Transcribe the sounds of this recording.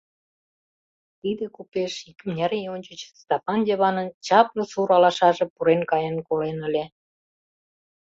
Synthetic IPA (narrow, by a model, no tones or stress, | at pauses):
t̪id̪ekupeʃikmnʲɑɾionʲt͡ɕət͡ɕst̪ɑpɑndʲeβɑnənt͡ɕɑplŏsuɾɑlɑʃɑʒĕpuɾenkɑjənkolenə̆lʲe